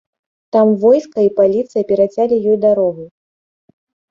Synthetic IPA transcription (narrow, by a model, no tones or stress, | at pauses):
t̪amvɔjskɐipalʲit̪sɨjɐpʲɛɾat͡sʲalʲijɔjd̪aɾɔɣu